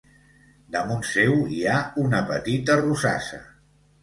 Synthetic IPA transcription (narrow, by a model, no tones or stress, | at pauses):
d̪əmunsewiaunəpət̪it̪ərusa̰sə̰